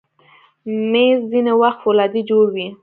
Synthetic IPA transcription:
mezzinewaxt̪wolɑd̪id͡ʒoɽwi

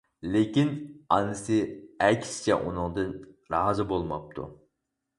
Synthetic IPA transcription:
lekʲinɑnɨsɨɛkʲʰsɪ̥t͡ʃʰɛ̰ʔunɨŋd̪ɨn | ɾɑːzɨbolˠmɑ̰p̚t̪ʰṵ

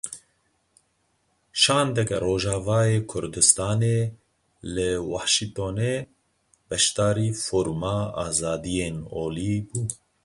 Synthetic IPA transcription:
ʃɑːnd̪ɛkɛɾoːʒɑːvɑːjeːkʰʊɾd̪ɨst̪ɑːneː | lɨwɑːʃiŋt̪oːneː | bɛʃt̪ɑːɾiːfoːɾmɑːɑ̰ːzɑːd̪ijeːnoːliːbuː

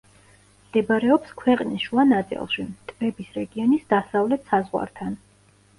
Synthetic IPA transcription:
md̪̥ɛbɾɛɔpskʰwɛqʼnisʃuanat̪sʼḭlˠʃit̪ʼvɛbisɾɛɡiɔnisd̪asavlɛt̪ʰsazʁwa̰ɾt̪ʰan

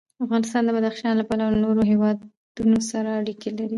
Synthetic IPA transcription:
afɣɑnɪst̪ɑnd̪əbad̪axʃɑnlapalawnoɾoɦewɑ | d̪̥unosaɾaːɽikelaɾi

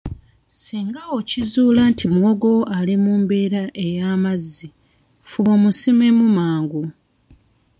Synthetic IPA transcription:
siːŋɡaocizuːlantʰimwoɡo̞alimuːmbe̞ːɾaʔe̞jaːmazːi | fuβo̞musimemumaːŋɡu

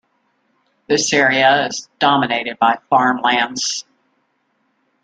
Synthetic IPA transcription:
ðɪsɛɹiəɪzdɑmɨneɪɾɨd̚baɪfɑɹmlæ̃ndz̥

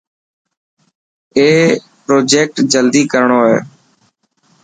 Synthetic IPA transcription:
eː | pɾoːd͡ʒeːk̚ʈd͡ʒəld̪iːkəɾɳoːɦḛː

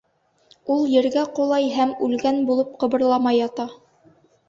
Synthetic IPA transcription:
ulˠjɘ̆ɾɡæqolˠɑjɦæmʉlɡænbulˠɤp̚qɤ̆βɤ̆ɾlˠɑmɑjɑt̪ɑ

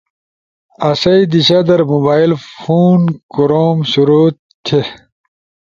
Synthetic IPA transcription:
ɐsɐjd̪iɕɐd̪ɐɾmubaːilfuːnkuɾoːmɕuɾo | t̪ʰe

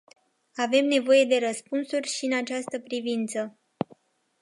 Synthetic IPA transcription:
ave̞mne̞vo̞je̞d̪e̞ɾəspunsurʲʃiɨnat͡ʃast̪əpɾivint̪sə

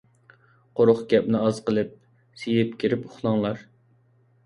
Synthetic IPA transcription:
qʰoɾʊχɡʲɛpnɪɑz̥qəlˠɨp̚ | sijɪpkʲʰiɾɪpʊχlˠɑŋlˠɑɾ

